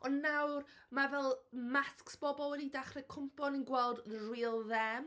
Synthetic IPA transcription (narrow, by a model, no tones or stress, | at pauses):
ɔnːawrmavɛlˠmasksb̥ɔbɔlˠənidaχrɛkʰʊmpʰɔnənɡwɛlˠdriːlˠðɛm